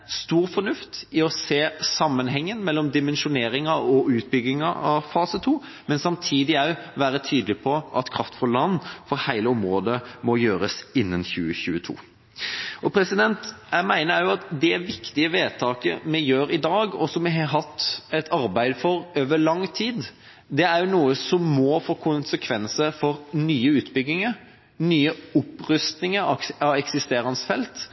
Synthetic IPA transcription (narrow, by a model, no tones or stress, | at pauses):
st̪uːɾfɔɾnʉft̪ɪɔseːsɑmːənɦɛŋːənmɛlːɔmd̪ɪmɛnʃʊneːɾɪŋɑɔʉːt̪̚bʏɡːɪŋɑ̰ɑ̰ʋfɑːsət̪ʰuː | mɛnsɑmt̪ʰiːd̪ɪɑʉʋæːɾət̪ʰyːd̪əlɪpʰɔʔɑt̪kʰɾɑft̪fɔlɑnːfɔɾhæɪləɔmɾoːd̪əmɔjøːɾəsɪnːənçʉːəçʉːət̪ʰṵː | ɔpʰɾɛsɪd̪ɛnt̪æɪmæɪnəæjʊɑt̪d̪ɛʋɪkt̪ɪəʋeːt̪ʰɑːkə̰mɛjøːɾɪd̪ɑːɡɔsɔmːɛɦɑɦɑt̪ːɛt̪ʰɑɾbæɪd̪fɔɾøːʋəɾɭɑŋt̪ʰiːd̪ | d̪ɛæɾjʊnuːəsɔmːɔfoːkʰʊnsəkʰʋɛnsəɾfɔɾnyːəʉːt̪bʏɡ̪ːɪŋəɾ | nyːəʊpɾʉst̪nɪŋəɑɑʋɛksɪst̪eːɾɑnsfɛlt̪